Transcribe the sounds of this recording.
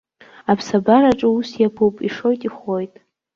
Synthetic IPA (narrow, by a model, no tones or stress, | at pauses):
apʰsabaɾaʈ͡ʂʼɨusjapʰowpʼiʂo̞jtʼiχo̞jtʼ